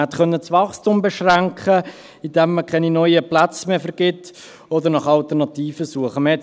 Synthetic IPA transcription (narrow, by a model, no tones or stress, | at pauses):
hɛt̪χœnːət͡sʋɑχstumbɛʃʁæŋkχə | ɪdɛmːəkʰɛninɔʏəplat͡smefəɾɡ̥ɪtː | ɔd̪əɾnɑχɑlt̪əʁnɑt̪iːfəsuəχəməhɛt